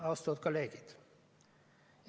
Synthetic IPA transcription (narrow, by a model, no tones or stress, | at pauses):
ɑːst̪ɔt̪kʰɔleːɡət̪